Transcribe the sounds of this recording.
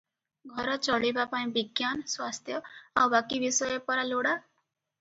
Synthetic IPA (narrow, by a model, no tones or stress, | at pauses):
ɡʱəɾət͡səɭibapãj̃biɡjansʋast̪ʰjəawbakiʋisəjepəɾaloɽa